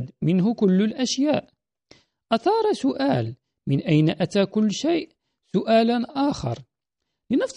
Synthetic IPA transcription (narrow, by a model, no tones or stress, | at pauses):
d̪mɪnɦʊkʊlːlʔæʃjaːʔ | ʔɑt̪ɑːɾˤɑsʊʔaːl | mɪnʔæjnaʔæt̪aːkʊlːʃajʔ | sʊʔaːlanʔaːxɑ̰ɾˤ | lɪnɑfsˤ